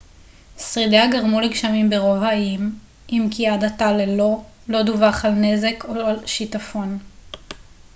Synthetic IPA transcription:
sʁideaɡaʁmuleɡʃamimbeʁo̞vaim | ʔimkiadatalelo̞ | lo̞duvaχalne̞zekoalʃitafo̞n

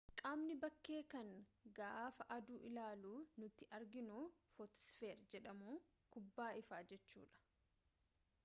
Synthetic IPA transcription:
kʼaːmnɪbɐkːe̞ːkɐŋɡaːfɐʔɐd̪uːʔɪlaːluːnʊt̪ːɪʔɐɾɡɪnuːfɔt̪sfeːɾd͡ʒɛᶑɐmuː | kʊbːaːɪfaːd͡ʒɛt͡ʃːṵːᶑɐ̥

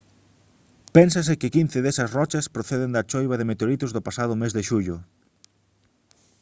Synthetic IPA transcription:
pɛnsɐsɪkɪkin̟θɪðesɐsrɔt͡ʃɐspɾoθeðɪnd̪ɐt͡ʃojβɐðɪmet̪eoɾit̪ʊzðʊpasað̞ʊmezðɪʃuʎʊ

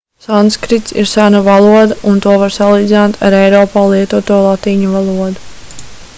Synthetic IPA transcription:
sanskɾit̪sḭɾsænavalˠuɔd̪aunt̪uɔvaɾsalˠiːd̪zinaːt̪ʰaɾɛjɾɔːpaːlˠiɛt̪uɔt̪uɔlˠat̪iːɲuvalˠuɔd̪u

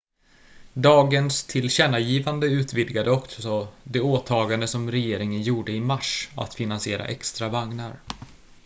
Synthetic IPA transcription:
d̪ɑːɡənst̪ʰɪlɕɛnːajiːvand̪əʉ̟ːt̪vɪd̪ɡad̪əɔksɔd̪ɛoːt̪ʰɑːɡand̪əsɔmɾɛjeːɾɪŋənjuːɖəɪmaʂa̰t̪fɪnansɪeːɾa̰ʔɛkst̪ɾavaŋnaɾ

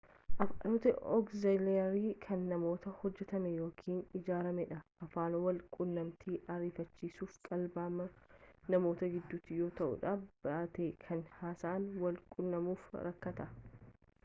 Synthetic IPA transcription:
ʔɐfanoːt̪ɐɔkzɐleɐɾiːkʰɐnːɐmo̞ːt̪ɐhɔd͡ʒːɛt̪ɐmɛjo̞ːkʰiːnɪd͡ʒaːɾɐmɛᶑɐɐfaːnɔwɐlkʼʊnːɐmt̪ʰiːʔɐɾiːfɐt͡ʃːiːsuːfkʼɐlbaːmɐnɐmo̞ːt̪ɐɡɪd̪ːʊt̪ːɪjo̞ːt̪ɐʔʊ̰ᶑabɐʔɐt̪ekʰɐnhaːsaːnwɐlkʼʊnːɐmuːfɾɐkːɐt̪ɐ

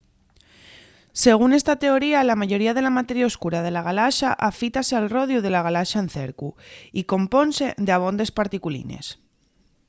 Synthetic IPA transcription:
se̞ɣ̞une̞st̪at̪e̞o̞ɾialamaʝo̞ɾiað̞e̞lamat̪e̞ɾjaoskuɾað̞e̞laɣ̞alaʃaʔafit̪ase̞alro̞ð̞juð̞e̞laɣ̞alaʃaen̟θe̞ɾkuiko̞mpo̞nse̞ðeaβ̞o̞nd̪e̞spaɾt̪ikulḭne̞̰s

